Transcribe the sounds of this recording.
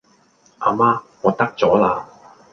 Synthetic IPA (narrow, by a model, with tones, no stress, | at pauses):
ʔaː˨˧maː˥ŋɔː˨˧t̪ɐ˥k̚t͡sɔː˨˥laː˧